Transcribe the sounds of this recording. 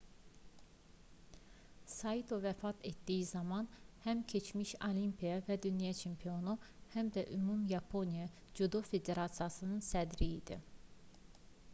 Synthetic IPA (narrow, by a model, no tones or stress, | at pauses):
sɑit̪ʰovæfɑt̪ʰet̪d̪ijizɑmɑnhæmcʰe̞t͡ʃmiʃolimpʰijɑvæd̪ynjɑt͡ʃʰempʰio̞nu | hæmd̪æʔymumjɑpʰonijɑ | d͡ʒud̪ofe̞d̪e̞ɾɑt̪sɨjɑsɯnɯnsæd̪ɾiid̪ḭ